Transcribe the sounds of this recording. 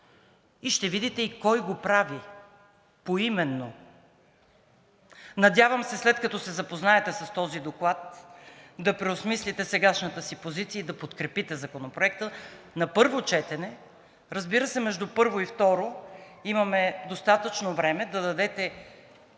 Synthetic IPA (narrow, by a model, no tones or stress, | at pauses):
iʃt̪ɛvid̪it̪ɛikɔjɡopɾavi | poimɛnːo | nɐd̪ʲjavɐmsɛslɛt̪kɐt̪ɔsɛzɐpoznaɛt̪ɛsɐst̪ɔzid̪oklˠat̪ | d̪ɐpɾɛʊsmislit̪ɛsɛɡaʃnət̪əsipozit̪siəid̪ɐpot̪kɾɛpit̪ɛzɐkonopɾoɛkt̪ə | nɐpɤɾvot͡ʃɛt̪ɛnɛ | ɾəzbiɾəsɛmɛʒd̪upɤɾvoift̪ɔɾo | imɐmɛd̪ost̪at̪ət͡ʃnovɾɛmɛd̪ɐd̪ɐd̪ɛt̪ɛ